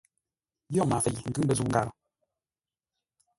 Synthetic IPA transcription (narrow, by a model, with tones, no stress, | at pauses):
jɔ˦˨ma˨fɛ˨ŋ̩˨ɡɨ˦m˦bə˦˨zu˦˨ŋ̩˦ɡa̰˨ɾə˨